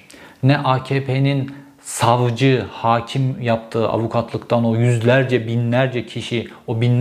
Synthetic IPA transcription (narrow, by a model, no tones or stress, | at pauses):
nɛʔaːcʰeːpʰenin | savd͡ʒɯhaːcʰimjap̚t̪ʰɯːʔa̰vukʰat̪ʰlˠɯkt̪ʰano̞jyzlʲæɾd͡ʒɛbinlʲæɾd͡ʒɛcʰiʃiobin